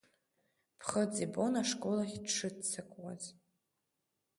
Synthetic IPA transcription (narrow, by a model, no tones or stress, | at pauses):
pʰχəd͡zʼibo̞naʂkʼo̞laχʲdʂʰɨdt͡sʰakʷʼwa̰z